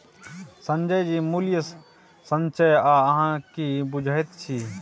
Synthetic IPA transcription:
sə̃nd͡ʒəjd͡ʒimuljə | sə̃nt͡ʃəjaəɦãkibud͡ʒʱajt̪t͡ʃʰi

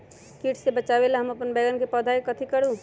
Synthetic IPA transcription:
kiːʈʰsebɐt͡ʃaːʋelaɦɐmɐpənbɛːɡənkepɔːd̪ʱaːikɐt̪ʰikəɾuː

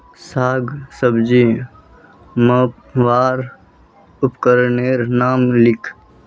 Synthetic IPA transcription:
saːɡsəbd͡ʒiː | mə | ʋaːɾ | ʊpkəɾneːɾnaːmlɪkʰ

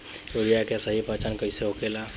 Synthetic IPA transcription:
oɾijakesəɦipat͡ʃankəɪseɦokela

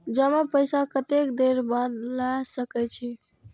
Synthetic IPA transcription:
d͡ʒəmãpəjsakət̪ekd̪eɾbad̪lasəkɛt͡ʃʰi

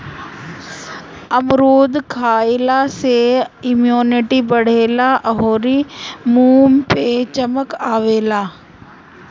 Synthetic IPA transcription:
ɐmɾoːd̪kʰaːɪlaseɪmjoːnɪʈibɐɽ̤eːlaʔɐɦoːɾimuːmpet͡ʃɐməkaːʋeːlaː

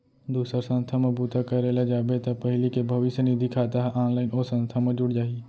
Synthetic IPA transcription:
d̪uːsəɾsə̃nst̪ʰamẽbuːt̪akɐɾelad͡ʒaːbet̪ɐpɐɦlikebʱɐʋɪʃjənɪd̪ʱikʰaːt̪aɦʔaːnlaːɪnosə̃nst̪ʰamẽd͡ʒʊɽd͡ʒaːi

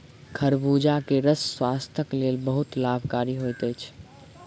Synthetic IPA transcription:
kʰəɾbud͡ʒakeɾəsːwast̪ʰəklelbəɦut̪labʱkaɾiɦojt̪əjt͡ʃʰ

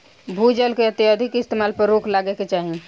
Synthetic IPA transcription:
bʱud͡ʒəlkeət̪jəd̪ʱikɪst̪emalpəɾːokʰlaɡeket͡ʃaɦi

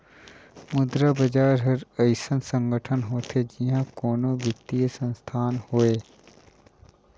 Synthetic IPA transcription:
mʊd̪ɾabɐd͡ʒaːɾɦɐɾɐɪsənsə̃ŋɡəʈʰənɦoːt̪ʰed͡ʒiɦãkɔːnõʋjəkt̪ijesə̃nst̪ʰaːnhoːeː

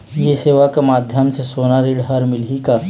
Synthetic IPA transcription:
jeseːʋakemaːd̪ʱjəmsesonaɾiɽɦəɾmɪlɦika

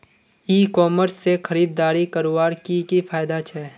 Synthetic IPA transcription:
iːkɔːməɾsːexʰɐɾiːd̪̚ːaːɾikɐɾoʋaːɾkikipʰaːjd̪at͡ʃʰɛː

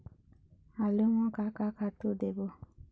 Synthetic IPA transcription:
aleŋɔ̃kakakatodebo

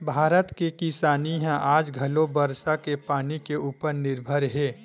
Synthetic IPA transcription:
bʱaːɾət̪kekɪsaːniɦɛ̃ʔaːd͡ʒɡʱɐlobəɾsakepaːnikeuːpəɾnɪɾbʱəɾɦɛː

